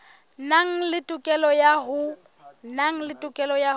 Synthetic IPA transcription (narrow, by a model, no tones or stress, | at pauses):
naŋ̩lɪtʼʊkʼɛlɔjaɦʊ | naŋ̩lɪtʼʊkʼɛlɔja